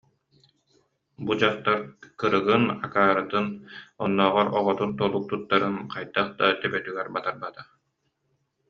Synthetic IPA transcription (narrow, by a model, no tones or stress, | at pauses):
bud͡ʑaχt̪aɾkɯɾɯɡɯna̰kaːɾat̪ɯnɔnːɔːʁɔɾɔʁɔt̪unt̪ɔlˠuk̚t̪ut̪ːaɾɯnqajt̪aχd̪at̪ɛbɛt̪yɡɛɾbat̪aɾbat̪a